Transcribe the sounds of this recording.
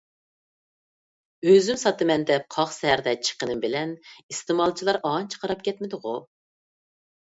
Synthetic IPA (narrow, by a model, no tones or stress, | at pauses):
øzymsɑt̪ɨmɛnd̪ɛp̚qʰɑχsɛɦæɾd̪ɛt͡ʃʰə̥qənɨmbɪlɛnist̪emɑlˠt͡ʃʰilˠɑɾʔɑnt͡ʃʰə̥qʰɑɾɑpkʲʰɛt̪mɪd̪ɨʁu